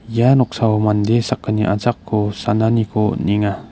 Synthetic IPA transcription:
janɔk̚sawmand̪esakːaniʔa̰t͡sakʰːosananikoniŋa

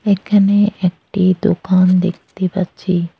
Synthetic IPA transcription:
ekʰɐneʔek̚ʈid̪okaːnd̪ekʰt̪ipat͡ʃʰi

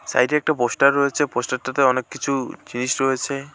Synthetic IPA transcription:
sa̰jɾiɛk̚ʈaposʈaɾːɔet͡ʃʰeposʈaɾt̪at̪eɔnekːkːit͡ʃʰud͡ʒinisɾɔɦet͡ʃʰe

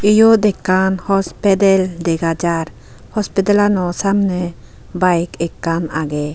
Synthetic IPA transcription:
ijɔd̪ɛkːanhɔspɛd̪ɛld̪ɛɡad͡ʒaɾ | hɔspɛd̪ɛlanɔsamnɛ | bajkɛkːanaɡɛ

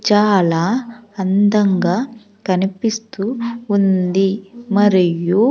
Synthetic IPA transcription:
t͡ʃaːlaːɐnd̪ɐŋɡaː | kɐnipist̪uːnd̪imɐɾiju

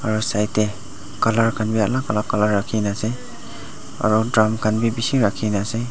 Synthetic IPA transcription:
aɹusajte | kalaɹkʰanbialakalakalaɹːakʰinase | a̰ɾudɾamkʰanbibisiɾakʰinase

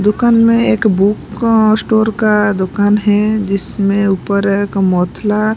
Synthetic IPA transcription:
d̪ʊkaːnmẽeːkbuːksʈoːɾkad̪ʊkaːnɦɛd͡ʒɪsmẽuːpəɾekmɔːt̪ʰla

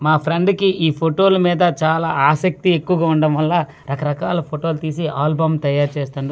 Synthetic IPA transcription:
maːpʰɾeɳɖkiʔiːpʰoʈo̞ːlɐmiːd̪ɐt͡ʃaːlaːaːsɐk̚t̪iekːuʋɐɡaːuɳɖɐmʋɐlːa | ɾɐkɐɾɐkaːlɐpʰoʈoːlt̪iːsiaːlbɐmt̪ɐjaːɾt͡ʃeːst̪uɳɖi

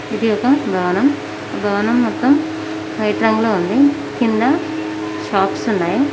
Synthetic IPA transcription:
id̪iɔkɐbʱɐʋɐnɐm | bʱɐʋɐnɐmːɔt̪ːɐm | fʰɐjʈɾɐŋɡloːund̪i | kind̪ɐ | ʃaːpsunːaːji

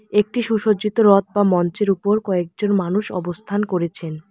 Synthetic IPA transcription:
ek̚ʈiʃuʃod͡ʑit̪oɾɔt̪̚bamɔnt͡ɕeɾupoɾkɔek̚d͡ʑonmanuʃɔ̰bost̪ʰankoɾet͡ɕʰen

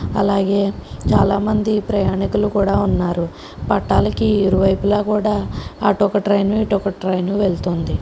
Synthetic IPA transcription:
ɐ̰laːɡe̞ːt͡ʃaːlaːmɐnd̪ipɾɐjaːɳikulukuːɽaːunːaːɾu | pɐʈːaːlɐkiiɾuʋɐjpulaːkuːɽaːʈɔkɐʈɾɐjnuiʈɔkɐʈɾɐjnuʋe̞ɭt̪oːnd̪i

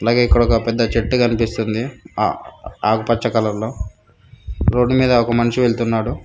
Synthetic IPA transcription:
ɐlaːɡe̞ːikːɐɽɐɔkɐpɛd̪ːɐt͡ʃeʈːukɐnipist̪und̪ḭ | aːkupɐt͡ʃːɐkɐlɐllo̞ː | ɾo̞ːɖːumiːd̪ɐɔkɐmɐniʂiʋe̞ɭt̪unːaːɽu

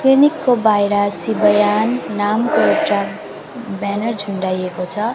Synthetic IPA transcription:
klinikːobajɾasibʌjanːamkoewʈa | banʌrd͡zʱuɳɖajekot͡sʰʌ

